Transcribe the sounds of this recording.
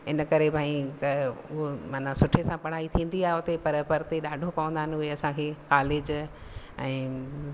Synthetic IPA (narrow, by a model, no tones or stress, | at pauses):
ɪnəkɐɾebʱaːĩt̪ɐʊɦomaːnasʊʈʰesãpɐɽ̤aːit̪ʰĩːn̆d̪iaːɦeʊt̪epɐɾpɐɾt̪eɗaːɖʱopɐʋə̃nd̪aɦɪnɪʊɦeɐsãkʰeːkaːleːd͡ʑ | ɛ̰̃ː